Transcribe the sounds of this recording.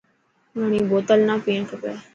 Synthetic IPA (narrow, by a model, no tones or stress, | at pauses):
ʋəɽ̃ĩːboːt̪əlnãːpiːɳkəpaː